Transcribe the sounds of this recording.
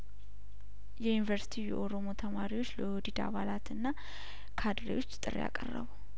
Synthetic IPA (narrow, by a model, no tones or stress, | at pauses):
jɛjunivəɾsi̥t̪ʰijɛ̰ʔo̞ɾo̞mo̞t̪ʰəmaɾiwot͡ʃːləod̪id̪a̰βalat̪ɨnːa | kʰad̪ɾewo̞t͡ʃːt̪ʼɨrja̰kʼərːə̰βu